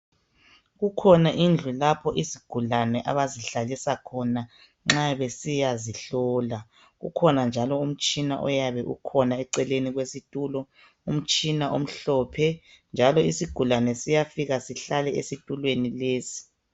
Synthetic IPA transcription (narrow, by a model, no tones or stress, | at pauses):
ɣukʰɔnaʔind͡ɮʱulapʰɔʔiziɡ̥ʱulanɛʔaβaziɬalisakʰɔna | ŋ͡ǁaβesijaziɬɔːla | ɣṵkʰɔnand͡ʒʱalɔum̩t͡ʃʼina̰ʔɔjaβɛʔṵkʰɔnaɛǀɛleniɣwesitʼuːlɔ | um̩t͡ʃʼinaʔom̩ɬɔpʰɛ | nd͡ʒʱalɔisiɡ̥ʱulanɛsijafiɣasiɬalɛesitʼulwenileːsi̥